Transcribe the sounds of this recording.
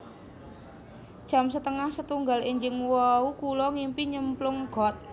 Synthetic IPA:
d̥ʒ̥a̤msət̪əŋahsət̪uŋɡaliɲd͡ʒɪŋwɔukulɔŋimpiɲəmplʊŋɡ̥ɔ̤t̪̚

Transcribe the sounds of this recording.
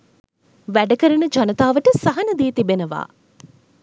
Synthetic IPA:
ʋæɖəkəɾənəd͡ʒanɐt̪aːʋəʈəsaɦɐnɐd̪ejt̪ibenəʋa̰ː

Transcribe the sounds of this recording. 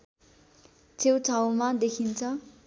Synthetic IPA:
t͡sʰewt͡sʰawmad̪ekʰint͡sʰʌ

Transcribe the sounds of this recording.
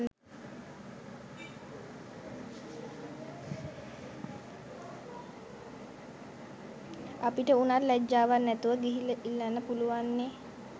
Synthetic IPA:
apiʈəunatlɛd͡ʒːaːʋanːɛt̪uʋəɡiɦiləilːanːəpuluʋanːe

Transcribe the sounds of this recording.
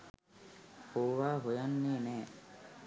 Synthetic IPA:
hoːʋaːɦojanːinɛː

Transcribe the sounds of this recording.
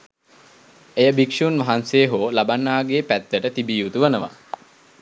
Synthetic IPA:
ejəbikʂunʋaɦanseːɦoːlabanːaːɡeːpæt̪̚ːəʈət̪ibiːjut̪uʋənəʋa̰

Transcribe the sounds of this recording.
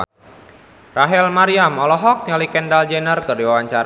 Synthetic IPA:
raɦɛlmaɾiamɔlɔɦɔk̚ɲalikɛndald͡ʒenərkərdiwawaɲt͡ʃaɾa

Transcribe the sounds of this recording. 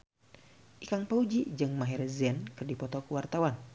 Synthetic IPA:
ʔikaŋpaud͡ʒid͡ʒɨŋmaɦiɾzɛnkɨrdipɔt̪ɔkəwart̪awan

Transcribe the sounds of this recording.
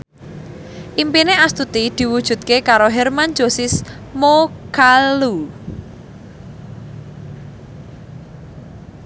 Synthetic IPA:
ʔimpineast̪ut̪id̪̥i̤wud̥ʒ̥ṳt̪̚kekaɾoɦɛrmand͡ʒosɪs | mokalu

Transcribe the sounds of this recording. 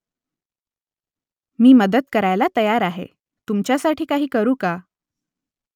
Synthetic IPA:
miːməd̪ət̪̚kəɾajlat̪əjaɾaɦḛ | t̪umt͡ɕjasaʈʰiːkaɦiːkəɾuːka

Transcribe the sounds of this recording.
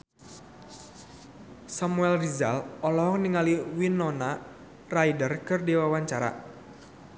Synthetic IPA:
samuɛlriza̰lɔlɔhɔŋniŋaliwinɔna | raidərkɨrdiwawaɲt͡ʃaɾa̰

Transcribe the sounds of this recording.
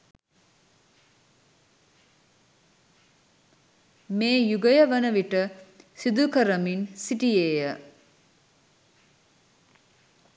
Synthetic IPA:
meːjuɡəjəʋənəʋiʈəsid̪ukəɾəminsiʈijeːjə

